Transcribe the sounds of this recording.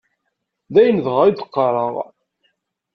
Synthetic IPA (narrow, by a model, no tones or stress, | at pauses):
ðæjənðʁaid̪əqːɑɾˤəʁ